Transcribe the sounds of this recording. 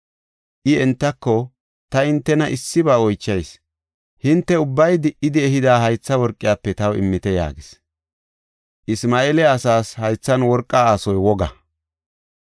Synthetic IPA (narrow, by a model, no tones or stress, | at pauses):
ʔɪɛnt̪ːɐkːɔ | t̪ɐɪnt̪ːɛnɐʔɪsːɪbaːɔjt͡ʃːɐjs | hɪnt̪ːɛʊbːɐjd̪ɪʔɪd̪ɪɛɦɪd̪aːɦɐjt͡sːɐwɔɾkʼːɪjaːpːɛt̪ɐwɪ̰mːɪt̪ɛja̰ːɡɪs | ʔɪsmaːelɛɐsaːshɐjt͡sːɐnwɔɾkʼːaaːsɔjwɔɡɐ